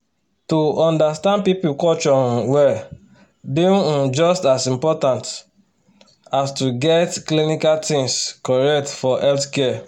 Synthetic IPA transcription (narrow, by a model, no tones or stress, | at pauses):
tuɔ̃ndastãnd̚pipukɔt͡ʃɔ̃nwɛ | bĩũd͡ʒɔstasĩmpɔtãnt | astuɡɛtklinikaltĩŋskɔɹɛk̚tfɔʔɛltkɛ